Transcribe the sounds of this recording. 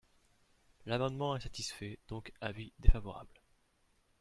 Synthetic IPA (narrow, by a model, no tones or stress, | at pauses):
lamɑ̃d̪mɑ̃ɛsat̪isfɛd̪̥ɔ̃kavid̪efavɔʁa̰bl